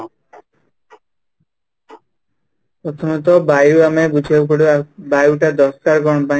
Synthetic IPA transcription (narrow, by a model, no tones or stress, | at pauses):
pɾɔt̪ʰɔmɔt̪̬ɔbajuamebud͡ʒʱawk̬oɽebajuwʈad̪ɔskaɾɡɔɳ̃ɔba